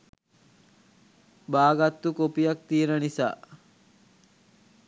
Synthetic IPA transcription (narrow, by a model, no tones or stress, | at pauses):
baːɡat̪ːukopijak̚t̪ienənisa̰ː